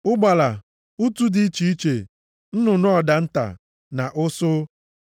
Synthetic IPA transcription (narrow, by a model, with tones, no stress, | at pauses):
ʊ˦ɡ͡ba˨la˨ | u˦tu˦dɪ˦i˦t͡ʃi˨i˦t͡ʃe˨ | n̩˦nʊ˨nʊ˦ɔ˨da˨n̩˦ta̰˨ | na̰˨ʔʊ˦sʊ˦